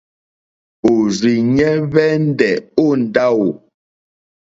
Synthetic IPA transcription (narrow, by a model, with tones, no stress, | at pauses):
o˨zi˨ɲɛ˦βɛ˦n̩˦dɛ˨o˦˨n̩˨da˦wo˨